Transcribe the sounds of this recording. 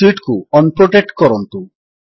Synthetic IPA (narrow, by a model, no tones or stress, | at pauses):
iʈkuɔnpɾoʈek̚ʈkɔɾɔnt̪u